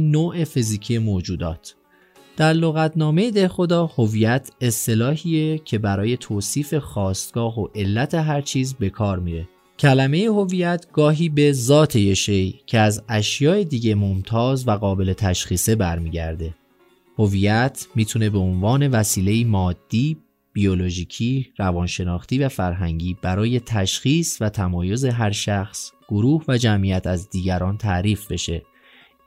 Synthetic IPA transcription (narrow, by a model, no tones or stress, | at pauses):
noːʔe̞fiziːcʰije̞moːd͡ʒuːd̪ɒ̰ːt̪ʰ | d̪̥æɾlo̞ɣæt̪ʰnɒːme̞jed̪ehxo̞d̪ɒːho̞viːjæt̪ʰe̞st̪e̞lɒːɦiːecʰe̞bæɾɒːje̞t̪ʰoːsiːfe̞xɒːst̪ɡ̥ɒːɦoʔe̞lːæt̪ʰe̞ɦæɾt͡ʃʰiːzbe̞kʰɒːɾmiːɾe̞ | cʰælæme̞jeho̞vijæt̪ʰɡ̥ɒːɦiːbe̞zɒːt̪ʰe̞jeʃejcʰe̞æzæʃjɒːed̪iːɟe̞momt̪ʰɒːzvæɣɒːbe̞le̞t̪ʰæʃxiːse̞bæɾmiːɟæɾd̪e̞ | ho̞viːjæt̪ʰmiːt̪ʰune̞be̞onvɒːne̞væsiːle̞iːmɒːd̪̥ːiː | b̥io̞lo̞ʒiːcʰiːrævɒːnʃe̞nɒːχt̪iːvæfæɾɦæŋɟiːb̥æɾɒːje̞t̪ʰæʃxiːsvæt̪ʰæmɒːjo̞ze̞ɦæɾʃæxsɡ̥o̞ɾuːhvæd͡ʒæmʔijæt̪ʰæzd̪iːɟæɾɒːnt̪ʰæʔɾiːfbe̞ʃe̞